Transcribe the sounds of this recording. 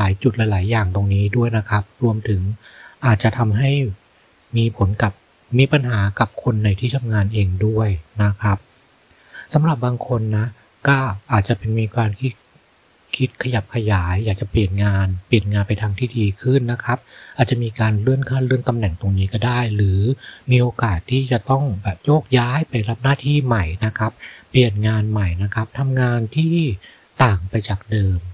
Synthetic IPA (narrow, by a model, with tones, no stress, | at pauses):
laː˩˦jt͡ɕu˨˩t̪̚la˨˧˦jlaː˩˦jːaː˨˩ŋt̪o˧ŋniː˦˥du˥˩əjna˦˥kʰa˦˥p̚ɾu˧əmt̪ʰɯ˩˦ŋʔaː˨˩t̪̚t͡ɕa˨˩t̪ʰa˧mɦa˥˩j | miː˧pʰo˩˦nka˨˩p̚ | miː˧pa˧nɦaː˩˦ka˨˩p̚kʰo˧nːa˧jt̪ʰiː˥˩t̪ʰa˧mŋaː˧nʔeː˧ŋdu˥˩əjna˦˥kʰa˦˥p̚ | sa˩˦mɾa˨˩p̚baː˧ŋkʰo˧nːa˦˥ | kɔː˥˩ʔaː˨˩t̪̚t͡ɕa˨˩pe˧nmiː˧kaː˧nkʰi˦˥t̪̚ | kʰi˦˥t̪̚kʰa˧ja˨˩p̚kʰa˧jaː˩˦jːaː˨˩k̚t͡ɕa˨˩pli˨˩ənŋaː˧npli˨˩ənŋaː˧npa˧jt̪ʰaː˧ŋt̪ʰiː˥˩diː˧kʰɯ˥˩nːa˦˥kʰa˦˥p̚ʔaː˨˩t̪̚t͡ɕa˨˩miː˧kaː˧nɾɯ˥˩ənkʰaː˥˩nɾɯ˥˩ənt̪a˧mnɛ˨˩ŋt̪o˧ŋniː˦˥kɔː˥˩daː˥˩jɾɯː˩˦miː˧ʔoː˧kaː˨˩t̪ʰːiː˥˩t͡ɕa˨˩t̪ɔ˥˩ŋbɛː˨˩p̚joː˥˩k̚jaː˦˥jpa˧jɾa˦˥p̚naː˥˩t̪ʰiː˥˩ma˨˩jna˦˥kʰa˦˥p̚ːli˨˩ənŋaː˧nma˨˩jna˦˥kʰa˦˥p̚t̪ʰa˧mŋaː˧nt̪ʰiː˥˩ | t̪aː˨˩ŋpa˧jt͡ɕaː˨˩k̚dɤː˧m